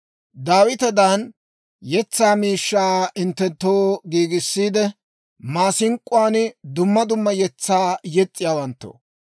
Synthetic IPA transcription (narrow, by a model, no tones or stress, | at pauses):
d̪aːwɪt̪ɛd̪an | jɛt͡sːaːmiːʃːaːɪnt̪ːɛnt̪ːoːɡiːɡɪsːiːd̪ɛ | maːsɪŋkʼːʊwaːnd̪ʊmːɐd̪ʊmːɐjɛt͡sːaːjɛt͡sʼːɪjaːwɐnt̪ːo̰ː